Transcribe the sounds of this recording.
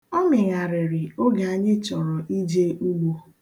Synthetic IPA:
ɔ˦mɪ˨ɣa˨ɾɪ˨ɾɪ˨o˦ɡa˨a˨ɲɪ˦t͡ʃɔ˨ɾɔ˨ʔi˦d͡ʒe˦u˦ɡ͡bo˦

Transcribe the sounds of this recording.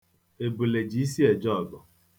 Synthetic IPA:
e˨bu˨le˨d͡ʒi˨˦si˦ɛ˨d͡ʒɔ˦˨bɔ˨

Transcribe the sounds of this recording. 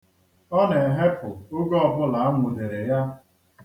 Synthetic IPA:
ɔ˦ne˨ɦe˦pʊ˨ʊ˦ɡɔ˦ɔ˨bʊ˦la˨a˦mʷʊ˨de˨ɾe˨ja˦

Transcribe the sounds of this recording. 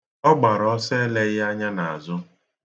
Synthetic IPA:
ɔ˦ɡ͡ba˨ɾɔ˦se˦le˦ɣɪ˦a˦ɲa˦na˨a̰˨zʊ˦

